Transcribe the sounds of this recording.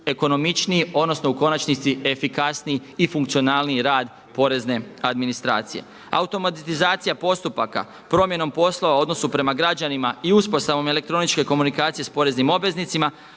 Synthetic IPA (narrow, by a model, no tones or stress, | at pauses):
e̞ko̞no̞mit͡ʃniio̞d̪no̞snouko̞nat͡ʃnit̪sie̞fikasniiːfuŋk̚t̪io̞naːlniiɾaːd̪ | po̞ɾe̞zne̞ad̪minist̪ɾa̰ːt̪sije̞̰ | a̰ut̪o̞mat̪t̪izaːt̪sijapo̞st̪upaka̰ | pɾo̞mje̞no̞mpo̞slo̞ʋao̞d̪no̞supɾe̞maɡɾad͡ʑanimaiuspo̞st̪aʋo̞mele̞kt̪ɾo̞nit͡ʃke̞ko̞munikaːt̪sije̞spo̞ɾe̞znimo̞bʋe̞znit̪sima